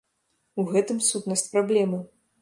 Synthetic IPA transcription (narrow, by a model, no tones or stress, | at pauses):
uɣɛt̪ɨmsut̪nɐsʲt͡sʲpɾablʲɛmɨ